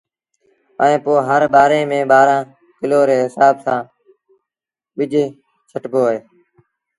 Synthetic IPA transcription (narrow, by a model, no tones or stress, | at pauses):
əẽːpoːɦəɾɓaːɾeːmẽːɓaːɾãː | kɪloːɾeːɦɪsaːbsãː | ɓɪd͡ʒʱeː | t͡ʃʰəʈboːɦeː